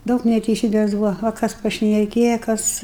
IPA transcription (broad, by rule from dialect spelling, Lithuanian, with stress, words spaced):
ˈdɐʊk nʲɛtʲɛɪˈsʲiːbʲeːs ˈbʊʋɐ oː ˈkɐs pɐʃʲnʲɛˈkʲeːjɛ ˈkɐs